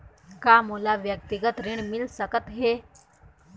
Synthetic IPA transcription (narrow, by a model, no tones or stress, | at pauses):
kaːmuːlaʋjək̚t̪iɡət̪ɾɪɳ̃mɪlsəkət̪ɦeː